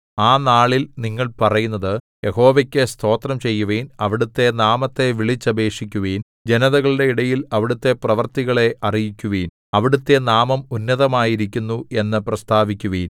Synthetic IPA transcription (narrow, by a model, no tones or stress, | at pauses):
aːnaːɭilniŋːɐɭpɐrɐjunːɐðɨ | je̞ho̞ːʋɐkʲːest̪ʰo̞ːt̪rɐmt͡ɕe̞jːuʋeːnɐʋiɽut̪ːe̞naːmɐt̪ːe̞ʋiɭit͡ɕːɐbe̞ːʂikʲːuʋeːn | d͡ʑe̞nɐðɐɣɐɭiɽe̞iɽɐjilɐʋiɽut̪ːe̞prɐʋɐrt̪iɣɐɭe̞ʔɐrijikʲːuʋiːn | ɐʋiɽut̪ːe̞naːmɐmunːɐðɐmaːjiɾikʲːunːue̞nːɨprɐst̪ʰaːʋikʲːuʋiːn